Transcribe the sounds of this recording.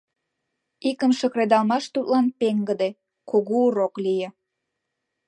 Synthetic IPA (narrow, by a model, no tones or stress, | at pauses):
ikəmʃəkred̪ɑlmɑʃt̪ut̪lɑnpeŋɡəd̪e | koɣuuɾoklijĕ